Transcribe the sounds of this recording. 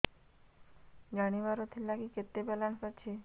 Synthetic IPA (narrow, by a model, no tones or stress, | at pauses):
d͡ʒaɽ̃iʋaɾot̪ʰilːakiket̪ːebelansat͡ɕʰe